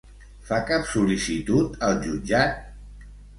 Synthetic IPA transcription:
fakapsulisit̪ut̪əlˠʒud͡ʒat̪̚

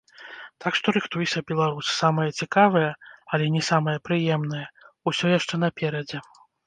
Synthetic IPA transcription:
t̪ʰakʂt̪ɔɾɨxt̪ujɛsʲɐbʲɛlˠaɾussamɐjɐt͡sʲikavɐjɐɐlʲɛnʲɛsamɐjɐpɾɨjɛmnɐjɐ | usʲɔjaʂt͡ʂɛnɐpʲɛɾɐd͡zʲɛ

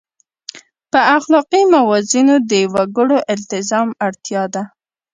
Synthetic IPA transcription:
pəaxlɑqimawɑzinod̪əwaɡəɽoʔɪlt̪ɪzɑmaɽt̪jɑd̪a

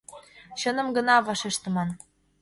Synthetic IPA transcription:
ɕɤnɤ̆mɡə̆nɑβɑʃeʃt̪ə̆mɑn

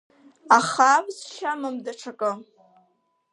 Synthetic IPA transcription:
aχavzʃamɨmdaʈ͡ʂʰakʼə

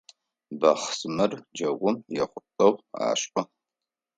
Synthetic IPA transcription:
bɐ̰χsmɨrd͡ʒɐɡʷʊmjɛχʷʊtʼɐʁʷa̰ːɕʔʼɔ

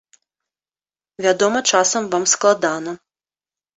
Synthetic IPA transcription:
vʲad̪ɔmɐt͡ʂasɐmvamsklˠad̪anɐ

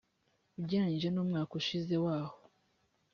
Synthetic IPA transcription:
ubɟaːɲʒenuːmŋaːkoʃize̞waːho

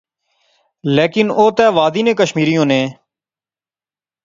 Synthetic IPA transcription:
leːkɪnoːt̪ɛːʋaːd̪iːnẽːkəʃmiːɾijõːnẽː

